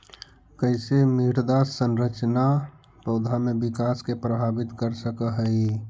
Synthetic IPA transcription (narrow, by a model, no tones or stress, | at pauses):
kəɪsemiɾd̪asənɾət͡ʃna | pəʊd̪ʱamebikaskepɾəbʱabit̪kəɾsəkəɦəi